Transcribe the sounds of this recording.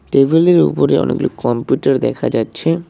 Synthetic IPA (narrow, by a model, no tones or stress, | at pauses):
ʈebʱeleɾṵpoɾeɔ̰nḛɡulokɔmpjuʈaɾd̪ɛkʰa̰d͡ʑatːɕʰe